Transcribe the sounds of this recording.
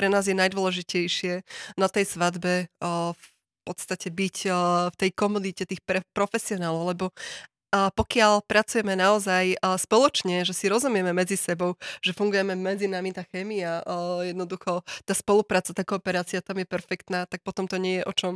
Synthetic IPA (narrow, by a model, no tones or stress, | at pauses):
pɾɛnaːzjɛnajd̪ʋɔlɛʒicɛjʃɪɛnat̪ɛjsʋad̪bɛf | pɔt̪st̪acɛbicft̪ɛjkɔmud̪icɛt̪iːxpɾɛpɾɔfɛsiɔnaːlɔʊlɛbɔ | pɔkɪalpɾat͡sujɛmɛnaɔzajspɔlɔt͡ʃɲɛʒɛsiɾɔzumɪjɛmɛmɛd͡zisɛbɔʊʒ̥ɛfuŋɡujɛmɛmɛd͡zinamit̪aːxɛːmiajɛd̪nɔd̪uxɔt̪aːspɔlupɾaːt͡sat̪aːkɔːpɛɾaːt͡siat̪amjɛpɛɾfɛkt̪naːt̪ak̚pɔt̪ɔmt̪ɔɲɪɛjɛʔɔt͡ʃɔm